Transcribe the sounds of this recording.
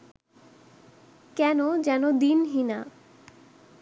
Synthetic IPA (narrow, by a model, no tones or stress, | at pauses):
kɛnod͡ʑɛnod̪inɦina